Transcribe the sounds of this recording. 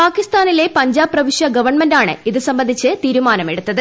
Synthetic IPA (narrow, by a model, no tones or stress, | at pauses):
paːkist̪aːnile̞pɐɲd͡ʑaːbrɐʋiʂjɐɡɐʋɐrɳmendaːɳɨ̰iðɨsɐmbɐnd̪ʱit͡ɕːɨt̪iːɾumaːnɐmeɽut̪ːɐðɨ